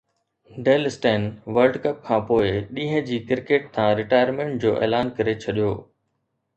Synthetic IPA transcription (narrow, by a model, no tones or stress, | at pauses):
ɖeːlɪsʈeːnʋəɾlɖkɐp̚kʰãːpoːɪɗĩːɦə̃d͡ʑiːkɪɾkeːʈ̚t̪ʰãːɾɪʈaːjəɾmẽːɳʈ̚d͡ʑoːʔḛːlaːnkɐɾet͡ɕʰɐɗijo̰ː